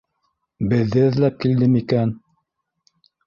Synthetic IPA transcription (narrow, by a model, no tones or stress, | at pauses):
bɘ̆ðːɘɘ̆ðlæp̚kild̪ɘmikæn